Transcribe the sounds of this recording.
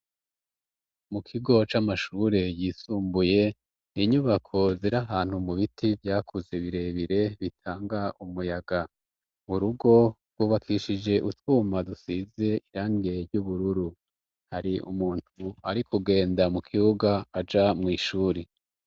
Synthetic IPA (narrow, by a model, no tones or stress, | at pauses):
mukʰiɡo̞t͡ʃamaʃuɾe̞jiːsuːmbuje̞ | iɲuβakʰo̞ziɾaɦaːn̥humuβitʰivjaːkʰuzeβiɾe̞βiɾe̞βitʰaːŋɡaʔumujaɡa | uɾuɡo̞ | ɡwuːβakʰiʃid͡ʒe̞ʔutuːmadusize̞ʔiɾaːŋɡe̞ɾɟuβuɾuɾu | haɾiʔṵmuːn̥huaɾikuɡe̞ːndamukʰiuɡaːd͡ʒamŋiːʃuːɾe